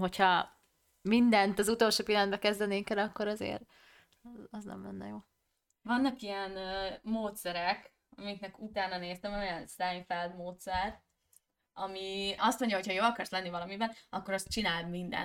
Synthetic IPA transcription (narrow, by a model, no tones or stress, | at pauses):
ɦo̞chɒ | mind̪ɛnt̪ɒzut̪olʃoːpilɛnbɛkɛzd̪ɛneːŋkɛlɒkːo̞ɾɒzḛːɾ | zɒznɛ̰mlɛ̰nːɛ̰joː | vɒnːɒkijɛnːmoːt̪sɛɾɛk | ɒmiknɛkut̪aːnɒneːst̪ɛmojɒnst̪ajɱfɛld̪moːt̪sɛrt̪ | ɒmiɒst̪mo̞ɲɟɒɦo̞chɒjoːlɒkɒrslɛnːivɒlɒmibɛnɒkːo̞ɾɒst͡ʃinaːld̪mind̪ɛ̰n